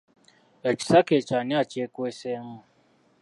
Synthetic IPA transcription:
ɛt͡ʃi̥saket͡ʃanĩat͡ʃekoeseŋũ

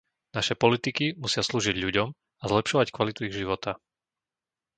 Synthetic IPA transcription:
naʃɛpɔlit̪ikimusɪasluːʒiɟʎuɟɔm | azlɛpʃɔʋackʋalit̪uiɣʒiʋɔt̪a

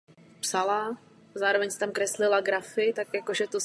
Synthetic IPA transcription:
psala | zaːɾo̞vɛɲsɛ̥t̪amkɾɛslɪlaɡɾafɪt̪akjakoʒɛt̪o

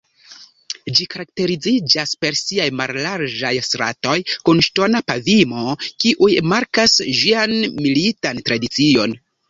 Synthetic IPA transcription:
d͡ʒikaɾak̚te̞ɾid͡zid͡ʒaspe̞ɾsiajmallaɾd͡ʒajstɾa̰to̞jkunʃto̞napavimo̞kiʔujmaɾkasʒianmilitantɾadit͡sio̞n

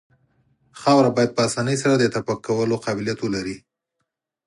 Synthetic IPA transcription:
xɑwɾabɑjad̪̚pəasɑnəjsaɾad̪ət̪apakːawəloqɑbɪlijat̪wəlaɾi

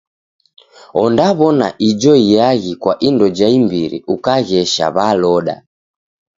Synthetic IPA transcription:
ɔndaβɔna̰ʔid͡ʒɔijaɣikwaʔindɔd͡ʒaimbiɾḭʔukaɣɛʃa̰βalɔɗa̰

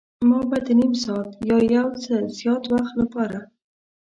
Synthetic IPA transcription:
mɑbad̪ənimsɑt̪jɑjawt͡səzjɑt̪waxt̪lapɑɾa

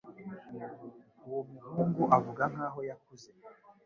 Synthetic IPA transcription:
uwomuhuːŋɡuʔavuɡaŋ̥aːɦo̞jakuze

